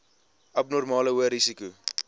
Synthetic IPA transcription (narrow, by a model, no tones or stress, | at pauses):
ʔɐp̚nɔrmɑːləuəɾisiku